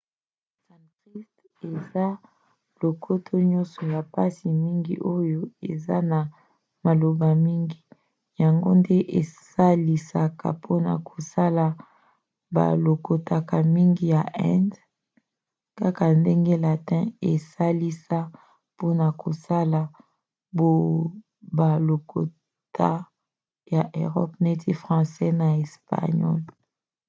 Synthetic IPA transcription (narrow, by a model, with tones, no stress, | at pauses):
sã˨tʁi˦st | e˨za˦ | lo˨kʰo˦tʰo˦ɲɔ˦nsɔ˨ja˨pa˦si˨mi˦ŋɡi˦ʔo˦jo˦e˨za˦na˨ | ma˨lo˨ba˨mi˦ŋɡi˦ | ja˨ŋɡo̰˦nde˦ʔe˨sa˦li˨sa˨kʰa̰˨pʰo˦na̰˨kʰo˨sa˦la˨ | ba̰˨lo˨ko˨ta˨ka˨mi˦ŋɡi˨ja˨ʔɛ̃˦nd | ka˦ka˨nde˦ŋɡe˦la˨tɛ̃˦e˨sa˦li˦sa˦ | po˦na˨ko˨sa˦la˨ | bo˦ | ba˨lo˨ko̰˨ | tʰa˦ | ja˨ʔe˨ʁɔ˦p̚ne˦ti˦fʁɑ̃˨sɛ˦na˨e˨spa̰˨ɲɔ̰˦l